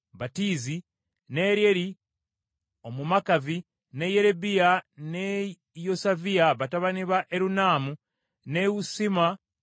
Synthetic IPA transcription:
βatiːzi | neɾjeɾi | o̞mumakavi | nejeɾebijane | josaviaβataβaniβaʔeɾunaːmu | newusima

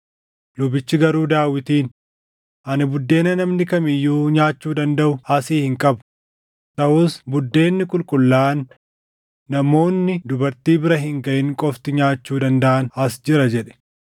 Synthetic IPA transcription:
lʊbɪt͡ʃːɪɡɐɾuːd̪aːwɪt̪iːn | ʔɐnɪbʊd̪ːe̞ːnɐnɐmnɪkɐmɪjːuːɲaːt͡ʃːuːd̪ɐnd̪ɐʔʊɐsiːhɪŋkʼɐbʊ̥ | t̪ɐʔʊsbʊd̪ːe̞ːnːɪkʼʊlkʼʊlːaːnː | ɐmo̞ːnːɪd̪ʊbɐɾt̪iːbɪɾɐɦɪŋɡɐʔɪŋkʼɔft̪ɪɲaːt͡ʃːuːd̪ɐnd̪ɐʔɐnɐsd͡ʒɪɾɐd͡ʒɛᶑɛ̥

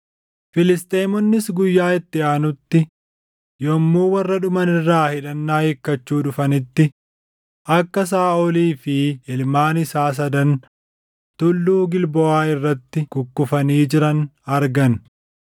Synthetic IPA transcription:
fɪlɪst̪ʼeːmɔnːɪsɡʊjːaːɪt̪ːɪaːnʊt̪ːɪ | jɔmːuːwɐrːɐᶑʊmɐnɪrːaːhɪᶑɐnːaːɪkːɐt͡ʃːuːᶑʊfɐnɪt̪ːɪ | ʔɐkːɐs̬aːɔliːfɪɪlmaːnɪsaːs̬ɐd̪ɐn | t̪ʊlːuːɡɪlbɔaːɪrːɐt̪ːɪkʊkːʊfɐniːd͡ʒɪɾɐnɐɾɡɐn

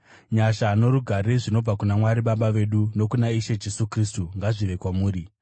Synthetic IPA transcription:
ɲaʃanoɾuɡʱaɾiʐino̞b͡vakunamwaɾiɓaɓaʋe̞ɗuno̞kunaiʃe̞d͡ʒe̞sukristuŋɡaʐiʋe̞kwamuːɾi

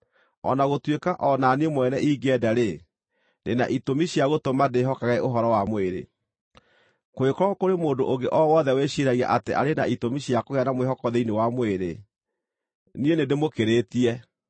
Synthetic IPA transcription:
ɔ̰naɣotwekaʔɔnaniemwɛnɛʔiɡɛdaɾe | nena̰ʔitomiɕiaɣotomadeɦɔkaɣɛʔoɦɔɾɔwamoeɾḛ | koekɔɾɔkoɾemoːndo̰ʔoɡeʔɔwɔðɛweɕiɾaɣia̰ʔateʔa̰ɾenaitomiɕiakoɣɛanamwehɔkɔðeinewamoeɾḛ | nienedemokeɾeːtiɛ

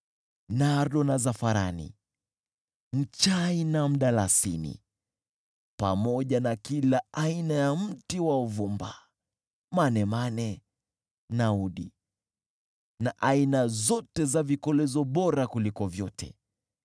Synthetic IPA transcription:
naɾɗɔnazafaɾa̰nḭ | m̩t͡ʃainam̩ɗalasḭnḭ | pa̰mɔʄanakilaainajam̩tiwauvumba | manɛmanɛ | nauɗi | naʔainazɔtɛzavikɔlɛzɔɓɔɾakulikɔvjɔtɛ̰

